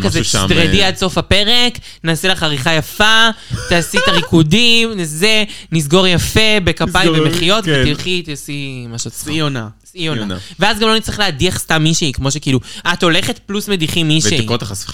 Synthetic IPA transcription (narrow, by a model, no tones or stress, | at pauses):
kazet̪ʁediad̪so̞fape̞ʁe̞k | naːsilaχaʁiχajafat̪aːsit̪aʁikudimzenisɡo̞ʁjafe̞bekapajivemeχijo̞t̪viilχit̪asimaʃoionasionaveazɡamlonit͡sʁiχleadiaχst̪amːiʃeikmo̞ʃekiːluat̪o̞le̞χet̚plusmediχimiʃeiot̪aχasi̥